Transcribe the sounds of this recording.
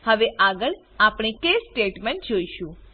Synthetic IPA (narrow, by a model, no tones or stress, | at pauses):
həʋeʔaɡəɭ | apɳ̃ekesʈeʈmẽnʈ̚d͡ʒoiʃũ